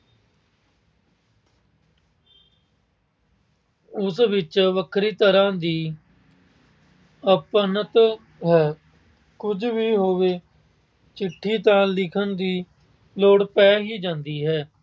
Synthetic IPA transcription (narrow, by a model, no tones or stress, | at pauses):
ʊsʋɪt͡ʃʋəkʰɾiːt̪əɾãːd̪iː | əpənət̪ | ɦɛː | kʊd͡ʒʋiːɦoːʋeː | t͡ʃɪʈʰːiːt̪ãːlɪkʰənd̪iː | loːɽpɛːɦiːd͡ʒãːnd̪iːɦɛː